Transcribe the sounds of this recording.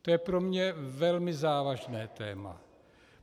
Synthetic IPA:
t̪ojɛpɾomɲɛvɛlmɪzaːvaʒnɛːt̪ɛːma̰

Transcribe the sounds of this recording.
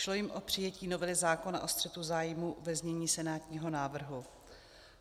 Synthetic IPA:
ʃlojɪmʔo̞pr̝̥ɪjɛciːno̞vɛlɪzaːko̞na̰ʔo̞st̪r̥ɛt̪uzaːjmuvɛzɲɛɲiːsɛnaːt̪ɲiːɦonaːvr̩ɦu

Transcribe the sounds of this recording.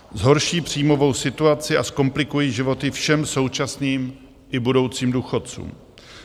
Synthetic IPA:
zɦo̞ɾʃiːpr̥iːmo̞vo̞wsɪt̪uat͡sɪʔasko̞mplɪkujiːʒɪvo̞t̪ɪfʃɛmso̞wt͡ʃasniːm | ʔɪbudo̞wt͡siːmduːxott͡sṵːm

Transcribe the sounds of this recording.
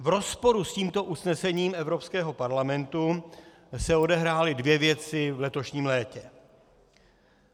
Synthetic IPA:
vɾo̞spo̞ɾusciːmt̪o̞ʔusnɛsɛɲiːmɛvɾo̞pskɛːɦo̞paɾlamɛnt̪u | sɛo̞dɛɦɾaːlɪdvjɛvjɛt͡sɪvlɛt̪o̞ʃɲiːmlɛːcɛ

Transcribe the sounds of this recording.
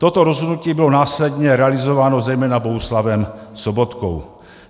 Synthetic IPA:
t̪o̞t̪oɾozɦod̪nuciːbɪlonaːslɛdɲɛɾɛalɪzovaːnozɛjmɛːnaboɦuslavɛmsobot̪ko̰w

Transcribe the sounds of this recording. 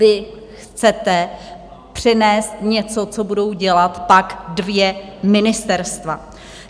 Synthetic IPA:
vɪ | xt͡sɛt̪ɛ | pr̝̥ɪnɛːst̪ɲɛt͡so̞t͡so̞budo̞wɟɛlat̪pakdvjɛmɪnɪst̪ɛɾst̪va̰

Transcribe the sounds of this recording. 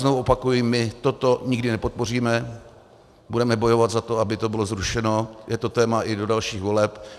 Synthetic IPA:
znovuopakujɪmɪt̪ot̪oɲɪɡdɪnɛpo̞t̪̚po̞r̝iːmɛ | budɛmɛbo̞jo̞vat̪zat̪oabɪt̪o̞bɪlo̞zɾuʃɛno̞jɛt̪o̞t̪ɛːmaʔɪdo̞dalʃiːɣvo̞lɛp

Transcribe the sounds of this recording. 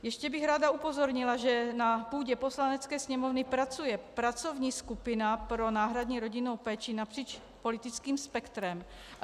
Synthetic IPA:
jɛʃcɛbɪɣɾaːd̪aupozoɾɲɪlaʒɛnapuːɟɛposlanɛt͡skɛːsɲɛmovnɪpɾat͡sujɛpɾat͡sovɲiːskupɪnapɾonaːɦɾad̪ɲiːɾoɟinowpɛːt͡ʃinapr̥iːt͡ʃ | polit̪ɪt͡skiːmspɛkt̪ɾɛm

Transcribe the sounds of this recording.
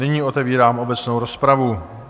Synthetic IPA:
ɪɲiːo̞t̪ɛviːɾaːmʔo̞bɛt͡sno̞wɾo̞spɾavu

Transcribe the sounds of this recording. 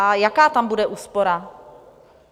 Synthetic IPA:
ajakaːt̪ambudɛʔuːspo̞ɾa

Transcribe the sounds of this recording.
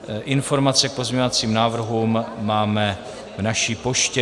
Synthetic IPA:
ʔɪnfo̞ɾmat͡sɛk̚po̞zɲeɲovat͡siːmnaːvr̩ɦuːmːaːmɛ | vnaʃiːpo̞ʃcɛ

